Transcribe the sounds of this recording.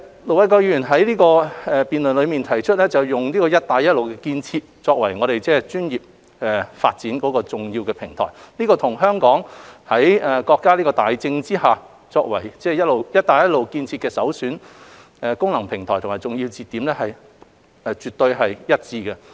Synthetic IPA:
lo˨˩wɐ˨˧jkɔː˧k̚jyː˧˥jyː˨˩nɦɐ˨˥jliː˥kɔː˧ɛ˨˧piː˨nlɵ˨nlɵ˨˧ɥmiː˨nt̪ʰɐ˨˩jt͡ʃʰɵ˥t̚lɛ˥t͡sɐ˨˩wjʊ˨ŋliː˥kɔː˧jɐ˥t̚t̪aː˨˧jɐ˥t̚lo˨wkɛ˧kiː˧nt͡sʰiː˧t̚t͡sɔː˧k̚wɐ˨˩jŋɔː˨˧ɾe˨jt͡sɛː˥t͡ʃyː˥njiː˨p̚ | ɛ˨fa̰ː˧t̚t͡siː˨˥nkɔː˨˧˥kɔː˧t͡sʊ˨˩ŋjiː˧wkɛː˧pʰɪ˨˩ŋt̪ʰɔ̰ː˨˩jniː˥kɔː˧t̪ʰʊ˨˩ŋɦœː˥ŋkɔː˨˥ŋhɐ˨˥jɛː˨˩kɔː˧kːaː˥liː˥kɔː˧t̪aː˨jt͡sɪ˧ŋt͡siː˥haː˨ | t͡sɔː˧k̚wɐ˨˩jt͡sɛː˥˩jɐ˥t̚lo˨wjɐ˥t̚t̪aː˨˧jɐ˥t̚lo˨wkiː˧nt͡sʰiː˧t̚kɛː˧sɐ˨˥wsyː˨˥n | ɛ˨˧kʊ˥ŋlɐ˨˩ŋpʰɪ˨˩ŋt̪ʰɔː˨˩t̪ʰmaː˨˩jt͡sʊ˨ŋjiː˧wt͡siː˨˧t̪iː˨˥mlɛ˥hɐ˨j | ɛ˧t͡ʃyː˨t̪̚ɵ˧ɥɦɐ˨jjɐ˥t̚t͡siː˧kɛ˧

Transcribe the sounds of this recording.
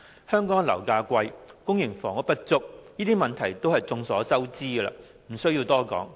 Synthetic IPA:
hœː˥ŋkɔː˨˥ŋlɐ˨˩wkaː˧kʷɐ˧jkʊ˥ŋjɪ˨˩ŋfɔː˨˩ŋɔ˨˥pɐ˥t̚t͡sʊ˥k̚niː˥t̪iː˥mɐ˨nt̪ʰɐ˨˩jt̪o˥whɐ˨jt͡sʊ˧ŋsɔː˨˥t͡sɐ˥wt͡siː˥ə˧lɐ̰ː˧ | m̩˨˩sɵ˥ɥjiː˧wt̪ɔː˥kɔ̰ː˨˥ŋ

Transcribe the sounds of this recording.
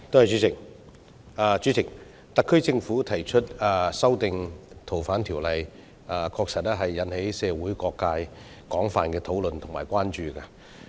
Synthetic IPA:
t̪o˥hɐ˨jt͡ʃyː˨˥t͡sʰɪ˨˩k̚ | aː˧t͡ʃyː˨˥t͡sʰɪ˨˩k̚ | t̪ɐ˨kʰːɵ˥t͡sɪ˧ŋfuː˨˥t̪ʰɐ˨˩jt͡ʃʰɵ˥t̚aː˨˧sɐ˥wt̪ɪ˨˧ŋt̪ʰo˨˩wfaː˨˥nt̪ʰiː˨˩wlɐ˨˩j | aː˨˧kʰɔː˧k̚sɐ˨˩t̚ɛː˥ɦɐ˨jːɐ˨˥nhe˨˥jsɛː˧wuː˨˥jkɔː˧kːaː˧j | kɔː˨˥ŋfaː˨nkɛː˧t̪ʰo˨˥wlɵ˨nt̪ʰʊ˨˩ŋmaː˨˩jkʷwʷaː˥nt͡ʃyː˨˩kaː˧

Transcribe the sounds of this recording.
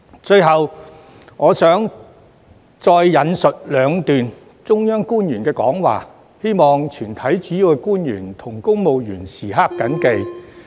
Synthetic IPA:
t͡ʃɵ˧ɥɦɐ˨w | ŋɔː˨˧sœː˨˥ŋ | t͡sɔː˧jːɐ˨˧nsɵ˨t̚lœː˨˧ŋt̪yː˨n | t͡sʊ˥ŋjœː˥ŋkuː˥njyː˨˩nkɛː˧kɔ̰ː˨˥ŋwa̰ː˨ | he˥jmɔː˨ŋt͡ʃʰyː˨˩nt̪ʰɐ˨˥jt͡ʃyː˨˥ji˨˧wkɛ˧kuː˥njy̰ː˨˩nt̪ʰʊ˨˩ŋkʊ˥ŋmo˨˧wjyː˨˩nsiː˨˩ɦaː˥kːɐ˨˥nke˧j

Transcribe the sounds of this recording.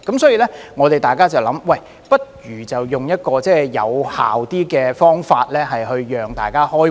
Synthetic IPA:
kɐ˨˥msɔː˨˥jiː˨˧lɛː˥ŋɔː˨˧t̪e˨jt̪aː˨jkaː˥t͡sɐ˨wlɐ˨˦˥mwɐ˨j | pɐ˥t̚jyː˨˩t͡sɐ˨wjʊ˨ŋjɐ˥t̚kɔː˧t͡sɛː˥˩jɐ̰˨˧wha̰ː˨wt̪iː˥kɛː˧fɔː˥ŋfaː˧t̚lɛː˥ɦɐ˨jɦɵ˧ɥːœː˨ŋt̪aː˨˩jkaː˥hɔː˥

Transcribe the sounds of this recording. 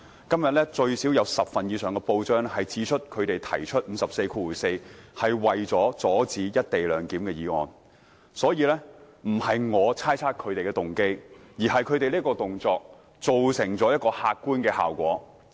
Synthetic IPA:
kɐ˥mjɐ˨t̚lɛ˥t͡ʃɵ˧ɥsiː˨˥wjɐ˨˧wsɐ˨p̚fɐ˨njiː˨˧sœː˨˩ŋkɛ˧po˧wt͡ʃœː˥ŋhɐ˨jt͡siː˨˥t͡ʃʰɵ˥t̚kʰɵ˨˧ɥt̪e˨jt̪ʰɐ˨˩jt͡ʃʰɵ˥t̚m̩˨˧sɐ˨p̚se˧jkʰuː˧wuː˨˩se˧jhɐ˨jwɐ˨jt͡sɔː˨˥t͡sɔː˨˥t͡siː˨˥jɐ˥t̚t̪e˨jlœː˨˧ŋkiː˨˥mkɛː˧jiː˨˧ŋɔ̰ː˨n | sɔː˨˥jiː˨˧lɛ˥ | m̩˨˩hɐ˨jŋɔː˨˧t͡sʰaː˥jt͡sʰaː˥t̚kʰɵ˨˧t̪e˨jkɛː˧t̪ʊ˨ŋke˥jjiː˨˩ɦɐ˨jkʰɵ˨˧ɥt̪e˨jliː˥kɔː˧t̪ʊ˨˩ŋt͡sɔː˧k̚ | t͡so˨wsɪ˨˩ŋt͡sɔː˨˥jɐ˥t̚kɔː˧haː˧t̚kuː˥nkɛː˧ha̰ː˨˩wkʷɔ̰ː˨˥

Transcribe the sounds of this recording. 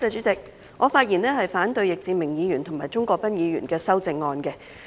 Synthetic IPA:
ɛ˨˧t͡ʃyː˨˥t͡sɪ˨k̚ | ŋɔː˨˧faː˧˥t̚jiː˨˩nɛː˥hɐ˨jfaː˨˥nt̪ɵ˧ɥjɪ˨k̚t͡siː˧mɪ˨˩ŋjiː˨˧jy˨˩nt̪ʰʊ˨˩ŋmaː˨jt͡sʊ˥ŋkʷɔː˧k̚pɐ˥njiː˨˧jy̰ː˨˩nkɛː˧sɐ˥wt͡sɪ˧ŋːɔː˧nkɛ˧

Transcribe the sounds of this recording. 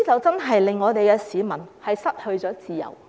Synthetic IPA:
t͡sɐ˨wt͡sɐ˥nɦɐ˨jlɪ˨ŋːɔː˨˧t̪e˨jkɛː˧siː˨˧mɐ˨˩nhɐ˨jsɐ˥t̚hɵ˧ɥt͡ʃɔː˨˥t͡siː˨jɐ̰˨˩w

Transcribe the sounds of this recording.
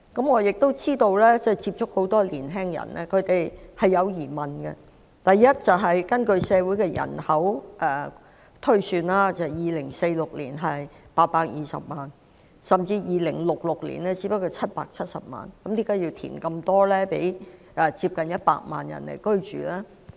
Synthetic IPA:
kɐ˨˥mŋɔː˨˧jɪ˨k̚t̪o˥wt͡siː˥t̪o˧wlɛː˥t͡sɛ˥jt͡siː˧p̚t͡ʃʰʊ˥k̚ho˨˥wt̪ɔː˥liː˨˩nɦɛː˥ŋjɐ̰˨˩nɛ̰ː˥kʰɵ˨˧ɥt̪e˨jhɐ˨jːɐ˨˧wjiː˨˩mɐ˨nɡɛ̰˧ | t̪ɐ˨jːɐ˥t̚t͡sɐ˨˩wɦɐ˨jkɐ˥nkɵ˧ɥsɛː˨˧wu˨˥jkɛː˧jɐ̰˨˩nhɐ˨˥wʔɛː˧˩ | t̪ʰɵ˥ɥsyː˧nlaː˥t͡sɐ˨jjiː˨lɪ˨˩ŋse˧jlʊ˨k̚lḭː˨˩nɦɐ˨jpaː˧t̚paː˧k̚jiː˨˧sɐ̰˨p̚maː˨n | sɐ˨mt͡siː˧jiː˨˧lɪ̰˨˩ŋlʊ˨k̚lʊ˨k̚lḭ˨˩nɛː˥t͡si˨˥pɐ˥kːɔ˧t͡sʰɐ˥t̚pa̰ː˧k̚t͡sʰɐ˥t̚sɐ˨p̚ma̰ː˨nkɐ˨˥mliː˥kaː˨˥ji˧wt̪ʰḭː˨˩nkɐ˧mt̪ɔː˥lɛː˥pe˨˥j | ʔɛ˨˧t͡siː˧p̚kɐ˨njɐ˥t̚pa̰ː˧k̚ma̰ː˨njɐ̰˨˩nlḛ˨˩jkɵ˥ɥt͡ʃy̰ː˨˩laː˥

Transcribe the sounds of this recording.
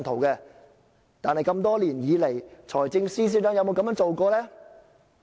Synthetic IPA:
nt̪ʰo˨˩wkɛː˧ | t̪aː˨nɦɐ˨jkɐ˧mt̪ɔː˥liː˨˩njiː˨˧le˨˩jt͡sʰɔː˨˩jt͡sɪ˧ŋsiː˥s̬iː˧˥tœː˥jɐ˧wmo˧kɐ˧˥mjœː˧˥ŋt͡so˨wkɔː˧lɛː˥

